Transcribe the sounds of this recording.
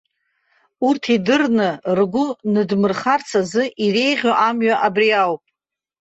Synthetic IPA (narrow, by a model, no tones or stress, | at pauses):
urtʰidɨrnɨrɡʷʊnɨdmɨrχart͡sʰazɨʔire̞jʁʲoʔamɥaʔabriawpʼ